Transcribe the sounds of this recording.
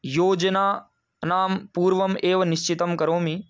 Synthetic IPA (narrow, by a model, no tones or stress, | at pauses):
joːd͡ʒɐnaː | naːmpuːɾʋɐmeːʋɐnɪʃt͡ʃɪt̪ɐmkɐɾoːmi